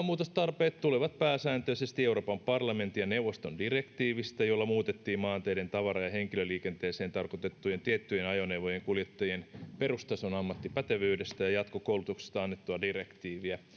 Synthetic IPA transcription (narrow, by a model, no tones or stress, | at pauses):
muːt̪ost̪ɑrpeːt̪t̪uleʋɑt̪̚pæːsæːnt̪øisest̪ieuroːpɑmpɑrlɑment̪ːijɑneuʋːˑost̪ondirekt̪iːʋist̪æjolːɑmuːt̪et̪ːiːmmɑːnt̪eːɾent̪ɑʋɑɾɑjɑheŋkiløliːkent̪eːseːnt̪ɑrkot̪et̪ːujent̪iet̪ːyjenɑjonewʋojeŋkuljet̪ːɑjienperust̪ɑsonɑmːɑt̪ːipæt̪eʋyːdest̪æjɑjɑt̪kokoulut̪ukse̥st̪ɑɑnːet̪ːuɑdirekt̪iːʋiæ